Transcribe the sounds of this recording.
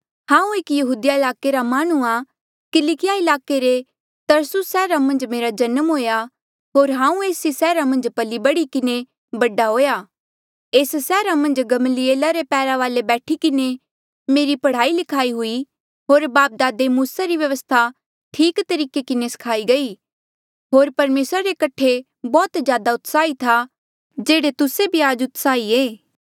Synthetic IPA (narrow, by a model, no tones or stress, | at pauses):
hãːũeːkjɐɦuːd̪ijaɪlaːkeɾamaːɽ̃ua | kɪlikɪjaɪlaːkeɾe | t̪ɐɾsʊsːɛːɾamɐ̃nd͡ʒmeːɾad͡ʒɐnəmɦoːja | ɦoːɾɦãːũeːsisɛːɾamɐ̃nd͡ʒpɐlibɐɽikɪne | bɐɖaɦoːjaː | eːssɛːɾamɐ̃nd͡ʒɡɐməlieːlaɾepɛːɾaʋaːlebɛːʈʰikɪne | meːɾipɐɽ̤aːilɪkʰaːiɦʊi | ɦoːɾbaːp̚d̪aːd̪emuːsaɾiʋjɐʋəst̪ʰa | ʈʰiːkt̪ɐɾiːkekɪnesɐ̥kʰaːiɡɐi | ɦoːɾpɐɾmeːsɾaɾekɐʈʰe | bɔːt̪d͡ʒjaːd̪aʊt̪saːit̪ʰa | d͡ʒeːɽet̪ʊsebʱiaːd͡ʒʊt̪saːieː